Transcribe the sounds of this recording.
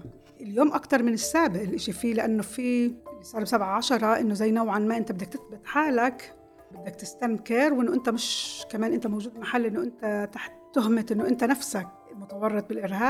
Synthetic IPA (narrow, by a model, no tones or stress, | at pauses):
ɪljoːmʔakt̪ɑɾˤmɪnɪsːaːbɪʔɪlʔɪʃifiːlɪʔanːofiʔɪlːisˤɑːɾˤbsabʕaʕaʃɑɾˤɑʔɪnːʊzajːnawʕanmaʔɪnt̪abɪd̪ːakt̪ɪθbɪt̪ˤħaːlak | bɪd̪ːak̚t̪ɪst̪amkɪɾwʔɪnːoʔɪnt̪amɪʃkameːnʔɪnt̪amowʒuːd̪maħalːʔɪnːʊʔɪnt̪at̪aħt̪ːʊɦmɪt̪ʔɪnːʊʔɪnt̪anafsak̚ | mʊt̪ɑwɑrˤːɑt̪̚bɪlʔɪɾɦaːb